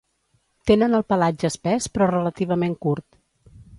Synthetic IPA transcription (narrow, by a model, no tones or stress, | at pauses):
t̪enənəlˠpəlad͡ʒəspɛspɾɔrələt̪iβ̞əmeŋkuɾt̪